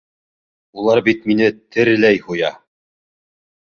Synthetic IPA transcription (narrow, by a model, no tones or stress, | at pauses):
ulˠɑɾbit̪minɘt̪ʰɘ̆ɾlæjhujɑ